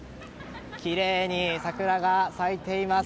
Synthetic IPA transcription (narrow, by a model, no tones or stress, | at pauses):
kʲiɾe̞ːɲ̟isakɯ̟ɾaɡasait̪e̞ima